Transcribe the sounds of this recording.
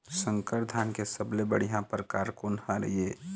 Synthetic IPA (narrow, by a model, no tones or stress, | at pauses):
sə̃ŋkəɾd̪ʱaːnkesəblebəɽ̤ijãpəɾkaːɾkoːnhaɾə̰ɦieː